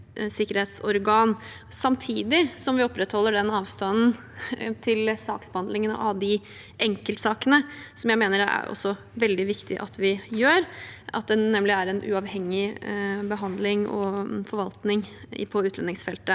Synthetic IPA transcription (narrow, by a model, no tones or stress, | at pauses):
sɪkːəɾheːt̪sɔɾɡɑːn | sɑmt̪ʰiːd̪ɪsɔmʋɪɔpːɾɛt̪hɔlːəɖɛnɑːʋst̪ɑnn̩ | t̪ʰɪlsɑ̰ːksbəhɑnd̪lɪŋənə̰ʔɑʋd̪ɪ | ʔɛŋkəlt̪sɑːkənəsɔmjæɪmeːnəɾɛæ̰ɾʔɔ̰sːɔ | ʋɛld̪ɪʋɪkt̪ɪ̰ʔɑ̰t̪ʋɪjøːɾʔɑ̰t̪̚d̪ɛːɛmlɪæɾɛnʔʉ̰ɑʋhɛŋːɪbəɦɑnd̪lɪŋɔ̰fɔɾʋɑlt̪nɪŋ | pʰɔʉːt̪lɛnɪŋsfɛlt̪ə